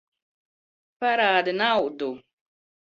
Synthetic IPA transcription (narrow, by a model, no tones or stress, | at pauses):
paɾaːd̪ɪnawd̪u